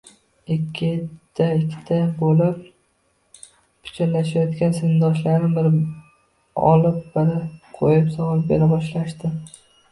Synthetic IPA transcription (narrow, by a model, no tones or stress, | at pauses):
ɪkʲʰːɪt̪ʰaɪkʲʰːɪ̥t̪ʰabolɪp̚ | pʰʊ̥t͡ʃʰanlːaʃajɒt̪kʲansɪnd̪ɒʃ̬laɾnɪbɪɾ | ɒ̰lɪp̚bɪɾɪqʰojɪpsɒʁɒl̚ˠbeɾabɒʃlaʃt̪ɪ